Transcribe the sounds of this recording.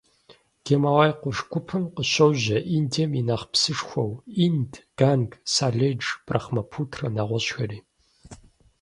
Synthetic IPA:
ɡ̥emawaːjqʷʊʂɡʷʊpʰɨmqəɕɐwʑɐʔindʰeminaːχpsɨʂxʷɐwindʰɡ̥aːnɡsaːɮed͡ʒb̥rɐ̰χmɐpʰuːtʰrɐnaːʁʷɔɕxɐriː

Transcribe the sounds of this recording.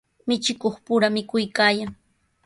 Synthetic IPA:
mɪt͡ʃɪkoχpʊɾamɪkʊjkaːjaŋ

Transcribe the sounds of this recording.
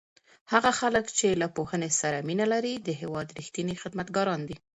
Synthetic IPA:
haɣaxaləkt͡ʃelapohənesaɾaminalaɾid̪əɦewɑd̪ɾixt̪inixɪd̪mat̪ɡɑɾɑnd̪i

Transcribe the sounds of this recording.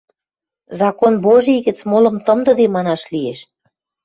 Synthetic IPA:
zɑkonboʒiɣə̆t͡smolɤ̆mt̪ə̆md̪ə̆d̪emɑnɑʃlieʃ

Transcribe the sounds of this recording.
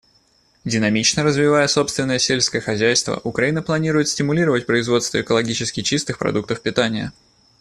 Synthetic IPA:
dʲɪnɐmʲit͡ɕnəɾəzvʲɪvajəso̞pst̪vʲɪnːəjəsʲelʲskəjəxɐzʲæjst̪və̰ʔʊkɾɐinəplˠɐnʲiɾʊjɪt̪sʲtʲɪmʊlʲiɾəvət̚ʲpɾəɪzvo̞t̪st̪vəɪkəlˠɐɡʲit͡ɕɪskʲɪt͡ɕist̪ɨxpɾɐ̰d̪uk̚t̪əfpʲɪt̪anʲɪjə̰

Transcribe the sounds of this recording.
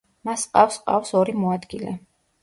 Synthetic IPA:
masqʼafsqʼa̰fsɔɾimɔad̪ɡilɛ̰

